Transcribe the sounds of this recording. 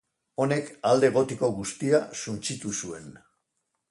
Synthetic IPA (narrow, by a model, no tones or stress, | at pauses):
o̞ne̞kald̪e̞ːɣ̞o̞t̪iko̞ɣust̪iasunt͡ʃit̪usue̞n